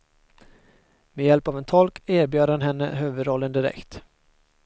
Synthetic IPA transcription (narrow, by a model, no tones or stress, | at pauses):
mejɛlpaːvɛnt̪ʰɔlkeːɾbjøːd̪hanɦɛnːə̰ɦøːvəd̪ɾɔlːənd̪ɪɾɛ̰kt̪